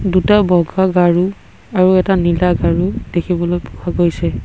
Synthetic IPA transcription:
dutabɔɡʱaɡaɹu | aɹuɛtanilaɡaɹud̥ekʰibɔlojpu̥kʰaɡojsɛ

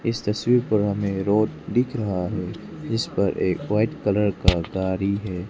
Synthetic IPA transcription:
ɪst̪ɐswiːɾpɐɾɦɐmẽɾoːd̪̚dɪkʰɾɐɦaɦɛː | d͡ʒɪspɐɾʔeːkʋaːɪʈkɐləɾkaɡaːɾiɦɛː

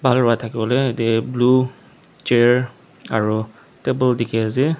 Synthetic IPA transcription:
bʱalɹʊatʰakibɔleetɛblu | t͡ʃeɹ | aɹu | tebəldikʰiazi

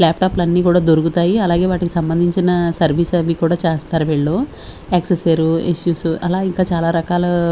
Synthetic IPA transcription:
laːpʈaːplɐnːiːkuːɽaːd̪oɾukut̪aːjiɐlaːɡe̞ːʋaːʈikisɐmbɐnd̪ʱiɲt͡ʃinɐsɐɾʋʱiːsɐmikuːɽaːt͡ʃɛːst̪aːɾuʋiːɭloː | eːkseseɾuḭsjuːsɐlaːiŋkaːt͡ʃaːlaːɾɐkaːlɐ

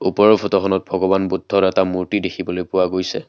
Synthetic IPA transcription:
upɔɹɔpʰɔtɔxʰɔnɔt̚bʱɔɡɔbanbudʱːɔtɛtamuɹtidekʰibɔlojpʊwaɡojsɛ̰

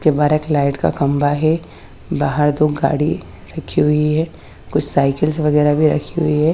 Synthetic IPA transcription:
skebaːɾeklaːɪʈka̰kɐ̃mbaɦɛ | baːɦəɾd̪oːɡa̰ːɽi | ɾɐkʰːiɦʊiɦɛː | kʊt͡ʃʰsaːɪkəlsʋɐɣɛːɾabʱiɾɐ̰kʰiɦʊiɦɛ

